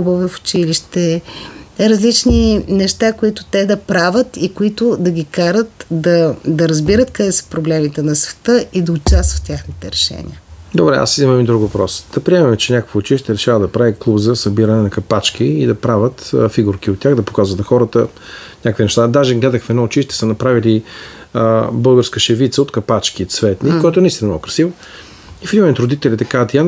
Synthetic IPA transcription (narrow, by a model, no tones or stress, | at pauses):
ubəvɛfʊ̥t͡ʃiliʃt̪ɛ | ɾɐzlit͡ʃninɛʃt̪akoit̪ʊ̥t̪ɛd̪ɐpɾavət̪ikoit̪ʊd̪ɐɡʲikaɾət̪d̪ɐd̪ɐɾɐzbiɾət̪kɐd̪ɛsə̥pɾoblɛmit̪ɛnɐsvɛ̥t̪əʔid̪ɐot͡ʃast̪və̥t̪tʲaxnit̪ɛɾɛʃɛ̰nʲḭəd̪obɾɛa̰sizimɐmid̪ɾukvɐpɾɔsd̪̥ɐpɾiɛmɛmɛt͡ʃɛnʲakəkvəot͡ʃiʃt̪ɛɾɛʃavəd̪ɐpɾaviklˠubzɐsɐbiɾɐnɛnɐkɐpat͡ʃkiːd̪ɐpɾavʲət̪fiɡuɾk̟iot̪ːʲjaɣd̪ɐpo̥kazvət̪ɐxɔɾət̪ə | nʲakəkvinɛʃt̪ad̪aʒɛɡlɛd̪əxfɛd̪nɔot͡ʃiʃt̪ɛ̥sənɐpɾavili | bɤlˠɡəɾskəʃɛvit̪səot̪kɐpat͡ʃk̟it̪svɛt̪nikkɔjɛt̪oʊnɐist̪inɐmokɾɐsivo | ifimɛmʲt̪ɾod̪it̪ɛlʲit̪ɛkaət̪jan